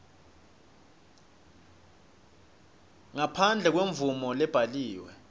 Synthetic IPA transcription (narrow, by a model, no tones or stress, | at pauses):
ŋapʰand͡ɮʱɛk̬weɱvumɔlɛb̥ʱaliːwɛ